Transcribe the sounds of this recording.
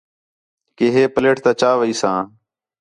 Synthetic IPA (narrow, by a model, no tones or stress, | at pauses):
keːɦeːpəleːʈt̪ãːt͡ʃaːʋəiːsãː